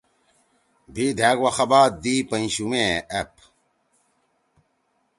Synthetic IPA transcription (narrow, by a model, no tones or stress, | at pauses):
bʱid̪ʱaːɡwɐxɐbaːd̪ipɐĩɕumeep̚